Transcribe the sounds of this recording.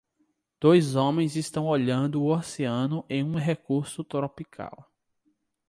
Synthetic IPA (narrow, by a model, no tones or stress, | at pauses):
d̪̥ojzõmẽj̃zist̪ɐ̃w̃ɔʎɐ̃nd̪ʊːɔseɐ̃nʊʔẽj̃ũɦekuɾsʊt̪ɾopikʰa̰w